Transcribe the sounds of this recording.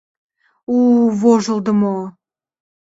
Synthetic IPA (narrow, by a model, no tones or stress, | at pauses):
uvoʒə̆lˠd̪əmo